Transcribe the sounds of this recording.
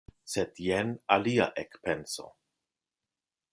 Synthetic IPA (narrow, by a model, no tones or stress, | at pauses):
sedjɛnalia̰ʔekpenso̞̰